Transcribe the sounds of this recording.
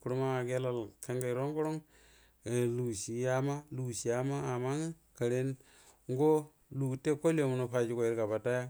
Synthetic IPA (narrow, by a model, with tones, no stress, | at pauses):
ku˨ɾu˦ma˦a˨ɡe˦la˨lka˦ŋɡa˨i˨ɾo˦ŋɡu˦ɾo˦ŋ˨ | lu˨ʃi˨ja˦ma˦lu˨si˨ja˦ma˦a˨ma˦ŋi˦ | ka˨ɾe˦n | ŋɡo˦ | lu˨te˦ko˦lo˨mu˨no˨pa˨d͡ʒi˦ko˨i˦ɾka˨ba˨ta˦ja˦